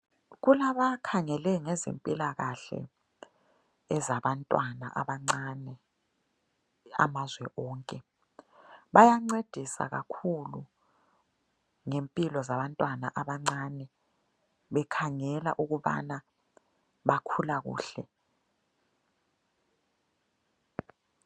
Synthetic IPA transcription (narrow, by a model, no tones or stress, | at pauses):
ɣulaβakʰaŋɛlɛŋɛzḛmpʼilaɣaɬɛ̰ | ɛzaβantʼwana̰ʔaβaŋ͡ǀanɛ | a̰mazwɛʔɔːŋkʼɛ | ɓajaŋ͡ǀed̥ʱisa̰ɣakʰulu | ŋempʼilɔzaβantʼwanaʔaɓaŋ͡ǀanɛ | ɓɛkʰaŋɛla̰ʔuɣuɓa̰na | ɓakʰulaɣṵːɬɛ